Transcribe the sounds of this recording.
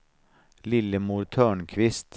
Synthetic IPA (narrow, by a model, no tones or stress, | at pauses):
lɪləmuːɾt̪ʰœːɳkʰʋɪst̪